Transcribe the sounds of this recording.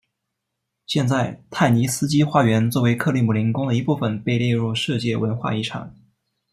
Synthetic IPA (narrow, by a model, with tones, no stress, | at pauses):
ɕjɛ˥˧nt͡sa˥˩ɪt̪ʰa˥˩ɪni˧˥sɹ̩˥t͡ɕi˥xwa˥˩ɥɛ˧˥nt͡swɔ˥˩we˧˥ɪkʰɤ˥˧li˥˩mu˨˩li˧˥nkʊ˥ŋd̪ə˨˩i˧˥pu˥˩fə˨˩npe˥˧ɪljɛ˥˧ɻu˥˧ʂɤ˥˧t͡ɕjɛ˥˩wə˧˥nxwa̰˥˧i˥˩ʈ͡ʂʰɑ̰˨˩˦ŋ